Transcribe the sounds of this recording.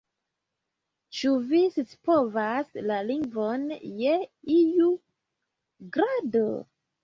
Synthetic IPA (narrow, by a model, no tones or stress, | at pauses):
t͡ʃuvisispovaslaliŋɡvonjeiju | ɡɾado